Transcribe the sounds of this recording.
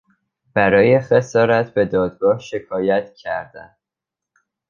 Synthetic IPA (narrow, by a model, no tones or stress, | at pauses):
b̥æɾɒːje̞xe̞sɒːɾæt̪ʰbe̞d̪ɒːd̪̚ɡɒːhʃe̞kʰɒːjæt̪ʰcʰæɾd̪æ̰n